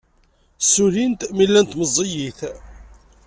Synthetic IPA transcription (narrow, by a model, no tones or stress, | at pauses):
suɾint̪milːænt̪məzˤːijiθ